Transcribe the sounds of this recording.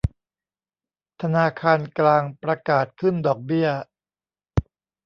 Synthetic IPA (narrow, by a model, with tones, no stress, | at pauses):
t̪ʰa˧naː˧kʰaː˧nklaː˧ŋpɾa˧kaː˨˩t̪̚kʰɯ˥˩ndɔː˨˩k̚bi˥˩ɐ